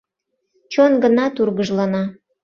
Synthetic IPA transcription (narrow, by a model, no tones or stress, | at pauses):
t͡ɕonɡənɑt̪urɣəʒlɑnɑ